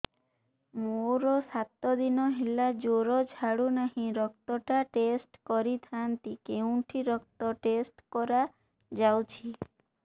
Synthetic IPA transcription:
moɾɔsat̪ːɔd̪inɔɦelad͡ʒoɾɔd͡ʒʱaɽunaɦĩɾɔkt̪ɔʈaʈesʈkɔɾit̪ʰant̪ikeuʈʰiɾɔk̚t̪ɔʈesʈkɔɾa | d͡ʒawt͡ʃʰi

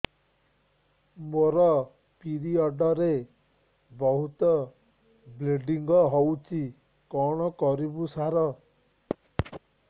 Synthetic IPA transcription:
moɾɔ | piɾiɔɖɔɾe | bɔɦut̪ɔ | bleɖiŋɡɔɦɔwt͡ʃʰi | kɔɽ̃ɔkɔɾibusaɾɔ

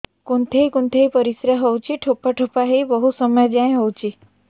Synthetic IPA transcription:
kont̪ʰejkunt̪ʰejpɔɾisɾaɦɔwt͡ʃʰiʈʰopaʈʰopaɦejbɔɦusɔmɔjɔd͡ʒãẽɦɔwt͡ʃʰi

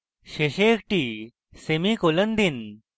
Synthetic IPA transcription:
ɕeɕeːkʈi | semikolənd̪in

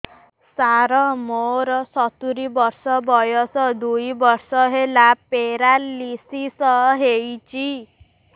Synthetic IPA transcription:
saɾɔmoɾɔsɔt̪uɾibɔɾsɔbɔjɔsɔd̪ujbɔɾsɔɦelapeɾalisisɔɦejt͡ʃi

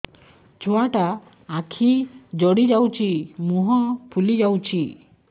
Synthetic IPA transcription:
t͡ʃʰoaʈa | akʰid͡ʒɔɽid͡ʒawt͡ʃʰimuɦɔpʰulid͡ʒawt͡ʃʰi

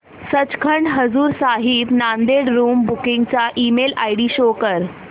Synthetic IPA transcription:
sət͡skʰəɳɖɦəd͡zuːɾsaɦibnand̪eɽɾuːmbukiŋɡ̚t͡ɕaʔiːmela̰jɽiːɕokəɾ

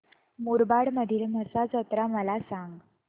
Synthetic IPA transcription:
muɾbaɽməd̪ʱiːlməsad͡zət̪ɾaməlasaŋɡ

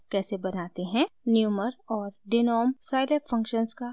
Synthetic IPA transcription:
kɛːsebɐnaːt̪eɦɛ̃njuːməɾɔːɾɖɪnɔːmsaːɪleːpfɐ̃ŋkʃənska

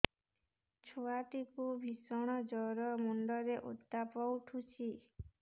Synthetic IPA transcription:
t͡ʃʰuat̪ikubʱisɔɽ̃ɔd͡ʒɔɾɔmuɳɖɔɾeʔṵt̪ːapɔwʈʰut͡ʃʰi

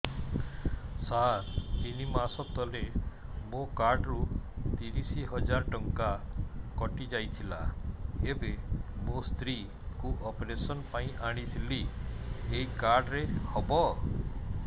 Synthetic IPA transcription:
saɾinimasɔt̪ːɔlemokaɾɖɾut̪iɾisiɦɔd͡ʒaɾʈɔŋkakɔʈid͡ʒajt̪ʰila̰ebemost̪ɾi | kuʔɔpɾesɔnpaĩʔaɽ̃it̪ʰili | eɦikaɾɖɾehɔbɔ

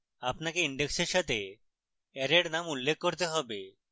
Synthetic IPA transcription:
apnakeiɳɖekseɾʃat̪ʰe | ɛɾeɽnamulːekʰːoɾt̪eɦɔbe

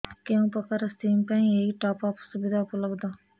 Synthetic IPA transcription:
keũpəkaɾast̪iːmpɛ̃ːĩeiʈaːpaːpsʊbɪd̪apuləbd̪aː

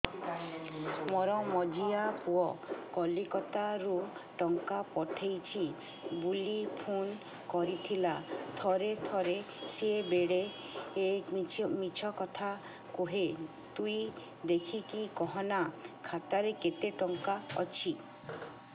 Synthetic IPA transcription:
mɔɾɔmɔd͡ʒiapuɔkɔlikɔt̪aɾuʈɔŋkapɔʈʰejt͡ʃʰi | bulipʰun | kɔɾit̪ʰilat̪ʰɔɾet̪ʰɔɾe | sebeɽe | emit͡ʃʰɔkɔt̪ʰa | kuɦe | t̪ui | d̪ekʰikikɔɦɔnakʰat̪aɾeket̪eʈɔŋkaɔ̰t͡ʃʰi

